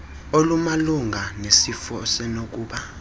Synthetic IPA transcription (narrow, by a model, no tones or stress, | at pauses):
olumaluŋʱanesifɔsɛnok̬ʼuːɓa